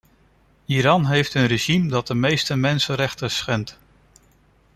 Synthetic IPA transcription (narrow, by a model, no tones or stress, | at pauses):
iɾɑnɦejftənreʒimdɑt̚dəmejstəmɛnsənɾɛχtəsχɛnt